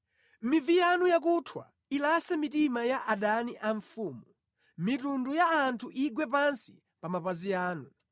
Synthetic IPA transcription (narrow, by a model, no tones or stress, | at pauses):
mivijanujak̬utʰwa̰ | ilasɛmitimajaʔaɗaniʔaɱfuːmu | mitundujaːntʰuʔiɡwɛpansi̥ | pamapaziaːnu